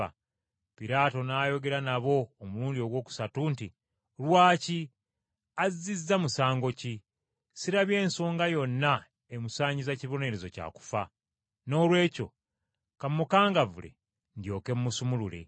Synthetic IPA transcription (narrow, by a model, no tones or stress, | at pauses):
a | piɾaːto̞naːjo̞ɡe̞ɾanaβo̞ːmuluːndio̞ɡwo̞ːku̥satuːnti | lwaːci | azzizːamusaːŋɡo̞ci | siɾaβje̞ːnso̞ːŋɡajo̞nːa | emusaːɲɟizaciβo̞ne̞ɾezo̞ca̰ːku̥fa | no̞ːlwe̞ːco̞̰ | kamːukaːŋɡavṵle̞̰ | ndjo̞ːke̞mːusumulule̞̰